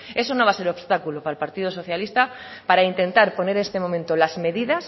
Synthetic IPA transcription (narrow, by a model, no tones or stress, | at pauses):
e̞sonõβase̞ɾoβst̪akulopaalpaɾt̪iðoso̞θjalist̪apaɾaint̪ẽ̞nt̪aɾpo̞ne̞ɾest̪emomẽnt̪olazme̞ðiðas